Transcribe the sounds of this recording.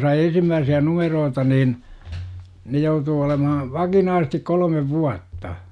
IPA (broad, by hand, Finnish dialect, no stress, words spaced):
sɑi ensimːæːsiæ numeroːtɑ niːn ne joutuː olemɑhɑ ʋɑkinɑːsĕs̆tik kolə̆meʋ ʋuɑtːɑ